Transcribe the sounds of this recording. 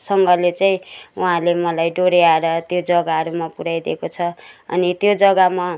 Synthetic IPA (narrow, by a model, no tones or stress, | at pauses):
sʌŋɡʌlet͡saĩuɦãlemʌlajɖoɾeaeɾʌt̪jod͡zʌɡaɦʌɾumapuɽajd̪ekot͡sʰʌʌ̰nit̪jod͡zʌɡama